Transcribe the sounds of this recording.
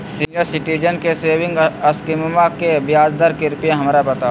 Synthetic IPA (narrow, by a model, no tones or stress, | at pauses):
sɪəɾsɪʈiːd͡ʒənkeseːʋɪ̃ŋɡɐskɪmmãkebjaːd͡ʒd̪əɾkɪɾpijẽɦɐmɾabɐt̪a